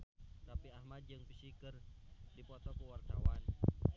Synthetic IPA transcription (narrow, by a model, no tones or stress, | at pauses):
napiahmad̪̚d͡ʒɨŋpisikərdipɔt̪ɔkəwart̪a̰wan